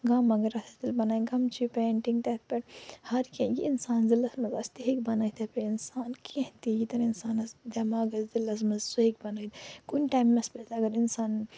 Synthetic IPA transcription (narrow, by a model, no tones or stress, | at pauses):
ɡamɐɡɐɾɐt̪ʰɐt̪ilbɐnaːjiɡɐmt͡ʃʰipeːɳʈiŋɡt̪et̪̚peʈhɐɾkẽjiinsaːnzilːɐsmɐzɐst̪iɦikbɐnɐit̪ɐpeinsaːnkʰẽɦt̪ijit̪ɐninsaːnɐsd̪ɐmaːɡɐzzilɐsmɐzsuɦik̚bɐnɐd̪kunʈaːmːɐspezɐɡɐɾinsaːn